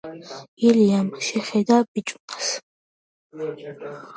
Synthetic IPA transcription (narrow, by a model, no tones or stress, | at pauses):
iliamʃɛχɛd̪ab̥it͡ʃʼunas